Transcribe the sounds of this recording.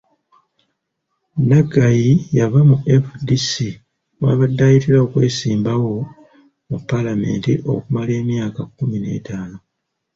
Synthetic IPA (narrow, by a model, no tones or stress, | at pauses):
naɡajijavamuʔe̞fudisi | waːβadːajitiɾao̞kwe̞ːsiːmbawo̞ | mupːalame̞̰ːntiʔo̞̰kumale̞ːmjaːkakːumine̞̰ːtaːno̞